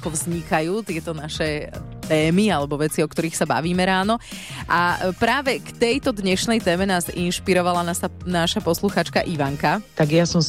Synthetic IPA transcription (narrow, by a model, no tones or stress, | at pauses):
akɔvzɲikajuːt̪ɪɛt̪ɔnaʃɛt̪ɛːmialɛbɔʋɛt͡siɔkt̪ɔɾiːxsaba̰ʋiːmɛɾaːnɔʔapɾaːʋɛkt̪ɛjt̪ɔd̪ɲɛʃnɛjt̪ɛːmɛnaːzinʃpiɾɔʋalanaːsanaːʃapɔsluxaːt͡ʃkaʔiʋaŋkat̪aɡjasɔm